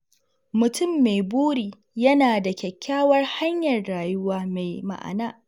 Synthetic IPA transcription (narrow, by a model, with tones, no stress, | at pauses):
mʊ˨tʊ˦˨mːe˨jbuː˦ɽiː˨ | jɐ˦naː˨da˨kʲɛ˨kʲːaː˦wɐ˦rha˦ɲjɐ˨rːaː˨jʊ˦waː˦me˨jma̰˨ʔa̰˨naː˦ʔ